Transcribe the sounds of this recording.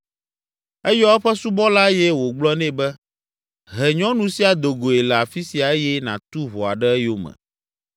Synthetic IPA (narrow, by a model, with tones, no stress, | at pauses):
ɛ˦jɔ˦ɛ˦ɸɛ˦su˦bɔ˦la˦jɛ˦wo˨ɡ͡blɔ˦nɛ̃˦bɛ˦ | ɦɛ˨ɲɔ̃˦nũ˨si˦a˨d̪o˨ɡo˨ɛ˨lɛ˨a˨fi˦si˨a˨ɛ˦jɛ˦nã̰˨t̪u˦βɔ˨a̰˨ɖɛ˦ɛ˦jo˦mɛ̰̃˨